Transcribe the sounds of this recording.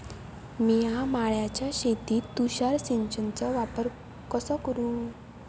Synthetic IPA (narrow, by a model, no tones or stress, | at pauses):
miɦãmaɭjat͡ɕjaɕet̪iːt̪ːuɕaɾsint͡ɕənt͡səʋapəɾ | kəsəkəɾũː